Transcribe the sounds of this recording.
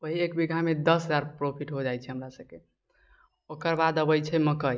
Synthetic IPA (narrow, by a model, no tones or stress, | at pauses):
əɦiekbiɡʱamed̪əsɦəd͡ʒaɾpɾopʰiʈɦod͡ʒajt͡ʃʰɛɦəmɾasəb̚ke | okəɾbad̪əbəjt͡ʃʰɛməkəj